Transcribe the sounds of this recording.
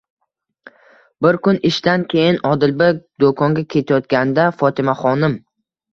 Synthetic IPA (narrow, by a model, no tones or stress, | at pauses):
bɪɾkʊnɪʃt̪ankʲʰe̞jɪnɒd̪ɪlbad̪okʰɒŋɡʲakʲʰe̞t̪ʰajɒt̪ɡʲand̪afɒt̪ʰɪmaχɒnɪm